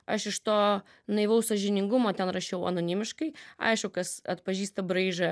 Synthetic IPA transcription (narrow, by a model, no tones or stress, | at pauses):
ɐʃɪʃt̪oː | nɐɪʋɐʊsɐʒʲɪnʲɪŋɡʊmoːt̪ʲɛnrɐʃʲɛʊɐ̰noːnʲɪmʲɪʃkɐɪɐ̰ɪʃkʊkɐsɐt̪̚pɐʒʲiːst̪ɐbɾɐɪʒɐ